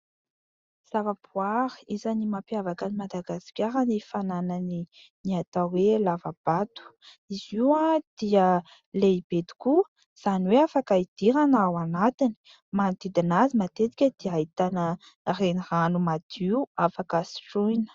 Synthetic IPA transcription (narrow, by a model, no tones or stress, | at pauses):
z̥avab̥uaɾizanimapjavakanimad̪aɡasi̥kʲaɾanifananəni | niat̪awelavab̥at̪u̥ | iziwad̪̥iə | leib̥ed̪i̥ku | z̥aniweafakaid̪̥iɾanawanat̪ini̥ | mant̪id̪inazimat̪et̪i̥kʲəd̪̥iait̪anə | reniranumad̪̥iuafakasi̥ʈ͡ʂujnə̥